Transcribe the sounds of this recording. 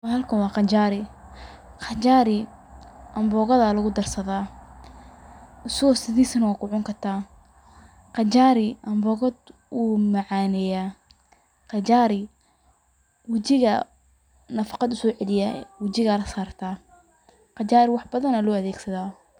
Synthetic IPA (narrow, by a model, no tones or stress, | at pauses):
whɐlkʰɐwɑːqɑt͡ʃaːɾɪ | qɑt͡ʃaːɾɪ | ʔɐmbɔːɣɐðɐlɐɣʊd̪ɐrsɐðaː | ʊsɐɣɔsɪðiːsnɐwɑːkʰʊʕʊŋkʰɐrt̪ʰaː | qɑt͡ʃaːɾɪʔɐmbɔːɣɔd̪ | umɐʕɑːnɛjaː | qɑt͡ʃaːɾɪ | wɑt͡ʃɪɣɐ | nɐfɑ̥qɑd̪ʊsɔːʕɛlɪja̰wɑt͡ʃɪɣalɐsaːrt̪ʰaː | qɑt͡ʃaːɾɪwɑħbɐðɐnɐlɔːɐðɛːɡsɐðaː